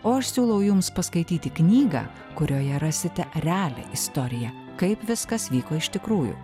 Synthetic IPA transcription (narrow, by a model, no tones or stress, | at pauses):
oːɐʃsʲuːlˠɐʊjʊmspɐskɐɪt̪ʲiːt̪ʲɪknʲiːɡɑ̰ː | kʊɾʲoːjɛɾɑːsʲɪt̪ʲɛɾʲɛæːlʲɛ̰ʔɪst̪oːɾʲɪjɛ | kɐɪpʋʲɪskɐsʋʲiːkoːɪʃt̪ʲɪkɾuːjṵː